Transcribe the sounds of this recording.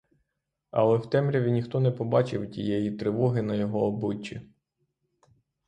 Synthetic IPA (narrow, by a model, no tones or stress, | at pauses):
ɐ̰lˠɛwt̪ɛmɾʲɐʋʲinʲixt̪ɔnɛpɔbɑt͡ʃɪwtʲḭjɛjit̪ɾɪʋɔɦɪnɐjɔɦɔːbʊt͡ʃʲːi